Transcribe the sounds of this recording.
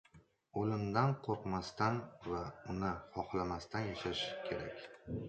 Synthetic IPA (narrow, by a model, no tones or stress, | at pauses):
olɪmd̪anqʰoɾqmast̪anvaʊnɪχɒχlamast̪anjaʃaʃkʲʰe̞ɾa̰kʲ